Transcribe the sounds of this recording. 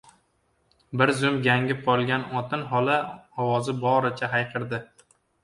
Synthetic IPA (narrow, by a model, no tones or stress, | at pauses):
bɪɾzʊmɡʲaŋʲɪp̚qʰɒlˠɡʲanɒt̪ʰɪnɦɒlaɒwɒzɪbɒɾɪt͡ʃʰaɦajqʰɨɾd̪ɪ